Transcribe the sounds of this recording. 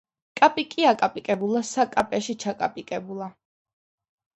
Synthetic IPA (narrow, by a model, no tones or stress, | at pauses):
kʼapʼikʼiakʼapʼikʼɛbulˠasakʼapʼɛʃit͡ʃʰakʼapʼikʼɛbulˠa